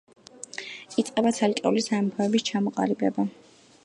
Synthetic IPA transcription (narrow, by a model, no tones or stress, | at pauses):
it̪sʼqʼɛbat̪sʰalkʼɛulisamɔpʰaɛbist͡ʃʰamɔqʼa̰libɛba